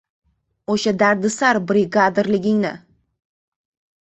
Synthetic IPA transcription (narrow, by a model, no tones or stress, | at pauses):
oʃad̪aɾd̪ɪsaɾbɾɪɡad̪ɾlɪɡʲɪŋnɪ̰